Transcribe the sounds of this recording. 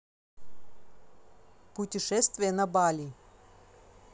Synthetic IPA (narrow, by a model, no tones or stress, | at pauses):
pʊtʲɪʂɛst̪vʲɪjənɐbalʲi